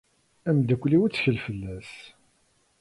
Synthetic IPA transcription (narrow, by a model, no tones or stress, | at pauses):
æmd̪ækʷːliwət͡sːçəlfəlːæs